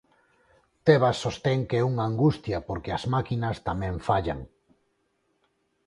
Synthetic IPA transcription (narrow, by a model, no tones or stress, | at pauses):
t̪eβasːost̪ɛŋkeɛuŋaːŋɡust̪jɐpoɾkeɐzmakinɐst̪amɛ̃ɱfaʎa̰ŋ